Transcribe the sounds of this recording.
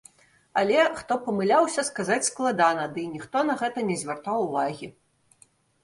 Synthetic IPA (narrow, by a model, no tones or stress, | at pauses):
alʲɛxt̪ɔpɐmɨlʲawsʲɐskazat͡sʲsklˠad̪anɐd̪ɨnʲixt̪ɔnɐɣɛt̪ɐnʲɛzʲvʲɛrt̪awuvaɣʲi